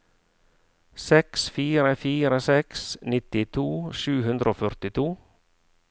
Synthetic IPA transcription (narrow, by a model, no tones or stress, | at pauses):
sɛksfiːɾəfiːɾəsɛksnɪt̪ɪt̪ʰuːʃʉːhʉnd̪ɾəoːfœɾt̪ɪt̪ʰuː